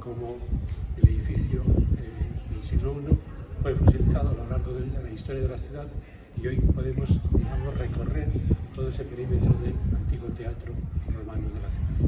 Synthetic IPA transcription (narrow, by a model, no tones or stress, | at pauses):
ko̞moeleðifiθjo | elsit̪ɾuɣnofwefusiliθaðoalo̞laɾɣoðelalaist̪oɾjaðelaθjuðaθ | io̞jpoðemosd̪iɣamosre̞ko̞re̞ɾt̪oðoe̞sepeɾimet̪ɾoðelant̪iɣwot̪eat̪ɾoemanoðelaθjuðaθ